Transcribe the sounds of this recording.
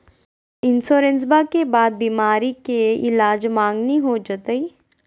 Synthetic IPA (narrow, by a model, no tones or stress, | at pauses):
ɪnsoːɾẽnsbakebaːd̪̚biːmaːɾikeɪlaːd͡ʒmãːŋɡniɦod͡ʒət̪əi